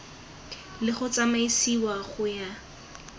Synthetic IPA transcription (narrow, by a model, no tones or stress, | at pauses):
lɪχʊt͡samaisiwaχʊja